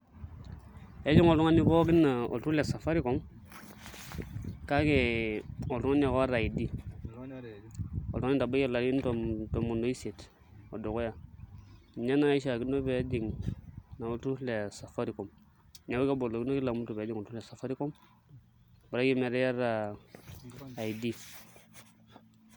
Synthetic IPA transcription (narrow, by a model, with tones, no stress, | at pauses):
e˦d͡ʒi˦ŋo˨ltu˦ŋa˦ni˦bo˦ɡi˦na˨o̰˨ltu˦le˨sa˨fa˦ɾi˦ko˨˦m | ka˦ke˨o˨ltu˦ŋa˦n˦a˨ka˦ɾa˨ji˨di˦ | o̰˨ltu˦ŋa˦ni˦da˨ba˦je˦la˨ɾn˦to˨to˨mu˨ndo˦i˦se˨t | o̰˨do˨ko˦ja˦˨ | ɲa˦na˦i˦ʃa˨ki˦no˦be˨˦di˨ŋna˨o˦tu˦le˨sa˨fa˦ɾi˨ko˨m | ɲa˨ba˦ka˦bo˨lo˨ki˦no˦ki˦la˨mu˦tu˨be˨˦di˦ŋo˨tu˦le˨sa˨fa˦ɾi˦ko˦m | bɾa˦ɡi˦me˨ɾe˦ja˦ɾa˨ | i˨di˦